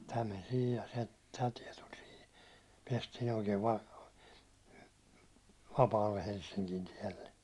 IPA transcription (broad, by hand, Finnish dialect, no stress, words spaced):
tæ men sihij jɑ se tæ tiɛ tul sihi piɛstiːn oikeː ʋɑ ʋɑpɑːlːe helsːiŋkin tiɛlːe